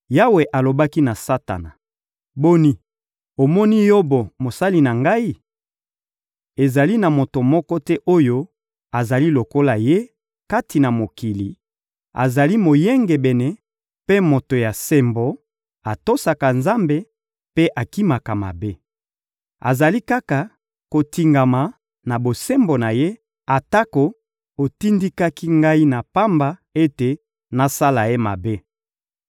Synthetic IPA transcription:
ja˦we˨ʔa˨lo˨ba˦ki˦na˨sa˦ta̰˨na̰˨ | bo˦ni˦ | o˨mɔ˦ni˦jo˦bo˨mo˨sa˦li˦na˨ŋɡa˦i˦ | e˨za˨li˦na˨mo˨to˨mɔ˦kɔ˦tɛ˦ʔo˦jo˦ | a˨za˨li˦lo˨ko˦la˨je˦ | ka˦ti˨na˨mo˨ki˨li˨ | a̰˨za˨li˦mo˨jɛ˦ŋɡe˨bɛ˨nɛ˨ | pe˦mo˨to˨ja˨sɛ˦mbo˨ | a˨to˦sa˨ka˨nza˦mbe˦ | pe˦ʔa˨ki˦ma˨ka˨ma̰˨be˦ | a̰˨za˨li˦ka˦ka˨ | ko˨ti˨ŋɡa˨ma˨ | na˨bo˨se˦mbo˨na˨je˦ | a˨ta˦ko˨ | o˨ti˦ndi˦ka˦ki˦ŋɡa˦i˦na˨pa˦mba˦e˦te˨ | na˨sa˦la˨je˦ma̰˨be˦

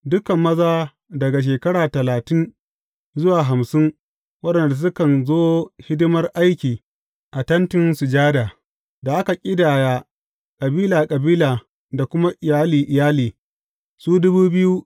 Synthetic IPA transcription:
dʊ˦kɐ˨mːɐ˦zaː˦ | dɐ˨ɡa˨ʃ̬eː˨kɐ˦ɽaː˨tɐ˨laː˨tɪ˦n | zʊ˦waː˨ɦa˨msɪ˦ŋ | wɐ˦ɗɐ˨nda˨s̬ʊ˦kɐ˨nzoː˦hɪ˦dʊ˦mɐ˦rʔa˦jkʲiː˨ | ʔa˨tɐ˦ntɪ˦nsu˨d͡ʒaː˦daː˨ | da˨ʔa˦ka˨kʲʼɪ˦daː˨jaː˦ | kʼɐ˨biː˦laː˨kʼɐ˨biː˦laː˨ | da˨kʷʊ˦ma˦ʔɪ˨jaː˦liː˨ʔɪ˨jaː˦liː˨ | suː˦dʊ˦buː˦bɪ˦ju˦

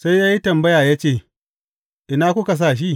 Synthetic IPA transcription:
sa˦jjaː˦ji˦tɐ˨mbɐ˦jaː˨jaː˦t͡ʃeː˦˨ | ʔɪ˨naː˦kʷʊ˦ka˨s̬aː˦˨ʃ̬i˦

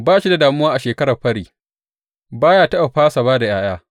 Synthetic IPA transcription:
baː˦ʃi˦da˨daː˨mʊ˦waː˦ʔa˨ʃeː˨kɐ˦ɾɐ˨ɸɐ˦ɽiː˨ | baː˦jaː˦˨tɐ˦ʔa˨ɸaː˦sa˨baː˦da˨j̰aː˦j̰aː˦

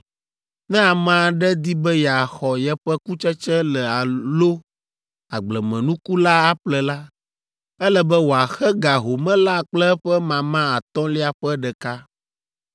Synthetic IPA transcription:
nɛ̃˦a˨mã˨ɖɛ˦d̪i˦bɛ˦ja˨xɔ˨jɛ˦ɸɛ˦ku˦t͡ʃɛ˦t͡ʃɛ˦lɛ˨a˨lo˦ | a˨ɡ͡blɛ˨mɛ̃˨nũ˦ku˦la˦a˨ɸlɛ˨la˦ | ɛ˦lɛ˨bɛ˦wo˨a˨xɛ˦ɡa˨ɦo˨mɛ̃˦la˦˨k͡plɛ˦ɸɛ˦mã˨mã˦a˨t̪ɔ̃˦li˦a˨ɸɛ˦ɖɛ˨ka˦

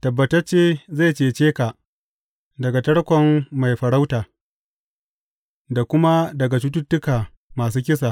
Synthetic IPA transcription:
tɐ˨bːɐ˨tɐ˦rt͡ʃeː˦za˦˨jt͡ʃeː˨t͡ʃeː˦ka˨ʔ | dɐ˨ɡa˨tɐ˦ɽkʷɔ˨mːa˨jɸɐ˨ɽa˦wtaː˨ | da˨kʷʊ˦ma˦dɐ˨ɡa˨tu˦t̬ʊ˦tːʊ˦kaː˨ | maː˨s̬uː˦kʲɪ˦saː˨

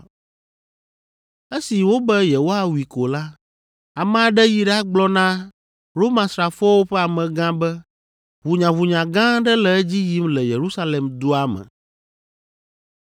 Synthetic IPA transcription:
e˦si˨wo˦bɛ˦je˨wo˦a˦wi˨ko˨la˦ | a˨mɛ̃˦a˨ɖɛ˦ji˨ɖa˦ɡ͡blɔ˦nã˦ | ɾo˦mã˨sɾa˨fɔ˦wo˦ɸɛ˦a˨mɛ̃˨ɡã˦bɛ˦ | βu˨ɲã˨βu˨ɲã˨ɡã˦ɖɛ˦lɛ˨ɛ˦d͡ʑi˦ji˦mlɛ˨je˨ɾu˦sa˦le˨md̪u˦a˦mɛ̰̃˨

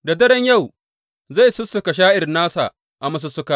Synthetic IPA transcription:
da˨dɐ˦ɽɛ˦ɲja˦˨w | za˦˨jsʊ˦sːʊ˨ka˨ʃ̬aː˦ʔɪ˨rnaː˦sa˨ | ʔa˨mɐ˦s̬u˦sʊ˦ka˦

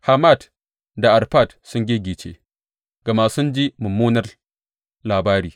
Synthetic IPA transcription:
ha˨ma˦˨d | da˨ʔa˨ɾɸa˦˨t | sʊ˦ŋɡʲi˦ɡʲiː˨t͡ʃḛ˨ | ɡa˨maː˨sʊ˦nd͡ʒi˦mʊ˨mːuː˦nɐ˦r | laː˨baː˦ɾiː˨

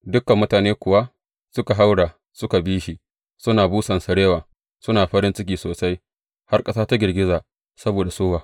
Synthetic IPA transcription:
dʊ˦kːɐ˨mːʊ˦taː˨neː˦kʷʊ˨wa˦ | sʊ˦ka˨ɦa˦wɽaː˨ | sʊ˦ka˨biː˦ʃi˨ | sʊ˦naː˨buː˦sɐ˨nsɐ˨ɽeː˦waː˨ | sʊ˦naː˨ɸɐ˦ɾɪ˦nt͡ʃɪ˦k̬ʲiː˨soː˨sa˦j | ha˦rkʼɐ˦saː˦ta˦ɡʲɪ˨rɡʲɪ˦zaː˨ | sɐ˦boː˨da˨soː˦waː˨

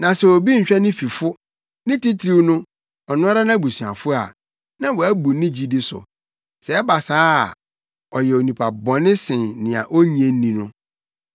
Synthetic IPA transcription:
nã˨sɛ˨o˨bi˦ɲ̩˨t͡ɕᶣɛ˦nɪ̃˦fi˨fʊ˦ | nɪ̃˦ti˦tʰɾi˦wnʊ̃˦ | ɔ˨nʊ̃˦a˦ɾa˦nã˦bu˨sɥa̰˨fʊ˦a̰˨ | nã˦wɔ˨æ˦bu˨˦nɪ̃˦d͡ʑi˦dɪ˦sʊ̰˨ | sɛ˨˦ba˨saː˦˨ | ɔ˨jɛ˨o˨nĩ˨pʰa˨bɔ̃˨nɪ̃˦sɪ̃˨nnɪ̃˨a̰˨ʔo˦ɲi˨e˦nĩ˨nʊ̰̃˦

